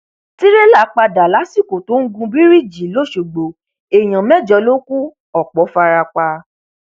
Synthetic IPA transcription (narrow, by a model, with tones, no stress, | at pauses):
ti˦ɾe˦la˦˨˦k͡pa˧da˨la˨˦si˦˨ko˨to˨˦ŋ̩˦ɡũ˧bi˦ɾi˦˨d͡ʒi˨lo˦˨ʃo˨ɡ͡bo˨ | e˨j̃ã˨mɛ˦˨d͡ʒɔ˧˦lo˦ku˦ | ɔ˦˨k͡pɔ˨˦fa˧ɾa˧k͡pa˧